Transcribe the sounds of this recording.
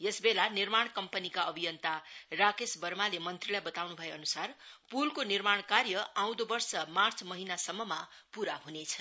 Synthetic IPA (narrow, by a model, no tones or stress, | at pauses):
jesbelanirmaɳ̃kʌmpʌnikaʌbʱijʌnt̪arakesbʌrmalemʌnt̪rilajbʌt̪awnubʱʌjeʌnusarpulkonirmaɽ̃karjʌãw̃d̪obʌrsʌmart͡sʰmʌɦinasʌmːʌmapuɾaɦunet͡sʰʌ̥